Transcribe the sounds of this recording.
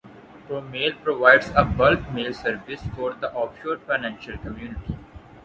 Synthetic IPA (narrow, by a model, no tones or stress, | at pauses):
pɾoːmeːlpɾoʋaɪɖsəbʌlkmeːlsəɾʋɪsfɔːɾd̪əʔɔːfʃoːɾfaɪnæ̃nʃəlkəmjuːnɪʈi